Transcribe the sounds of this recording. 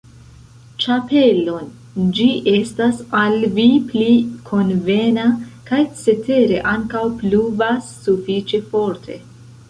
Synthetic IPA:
t͡ʃape̞lo̞n | d͡ʒiʔe̞stasalviplikʰo̞nve̞nakajt͡se̞te̞ɾe̞ʔaŋkawpluvasːufit͡ʃe̞fo̞ɾtʰe̞̰

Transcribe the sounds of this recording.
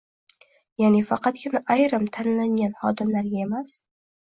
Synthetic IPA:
jaʕnifaqʰɑt̪kʲʰɪnaʔajɾamt̪ʰanlanjanhɒ̰d̪ɒnːaɾjaemas

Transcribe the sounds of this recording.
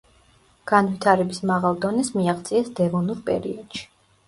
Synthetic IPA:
ɡ̥anvit̪ʰaɾɛbismaʁalˠd̪ɔnɛsmiaχt̪sʼiɛsd̪ɛvɔnuɾpʼɛ̰ɾḭɔd̪̥ʃi̥

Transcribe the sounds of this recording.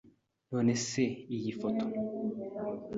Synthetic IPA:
noːneseijifoto

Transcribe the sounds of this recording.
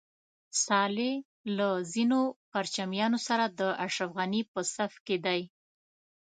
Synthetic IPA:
sɑle | lazinopaɾt͡ʃamjɑnosaɾad̪əʔaʃɾafɣanipəsafked̪aj

